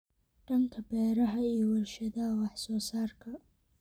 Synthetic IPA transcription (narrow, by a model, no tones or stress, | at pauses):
ɖ̥ɐŋkʰɐbɛːɾɐɦɐiːjɔwʊlʃɐðɐɦɐwɑħsɔːsaːrkʰɐ